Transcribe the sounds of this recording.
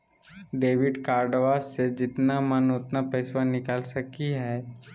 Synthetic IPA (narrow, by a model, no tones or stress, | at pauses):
ɖeːʋɪɖkaːɾɖəʋaːzsed͡ʒɪt̪namɐnʊt̪napɐɪswanɪkaːlsɐkiɦɛː